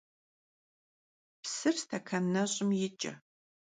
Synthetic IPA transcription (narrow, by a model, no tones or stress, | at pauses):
psɨrstʰɐkʰɐnːɐɕʼɪmjɪt͡ʃʼɐ̰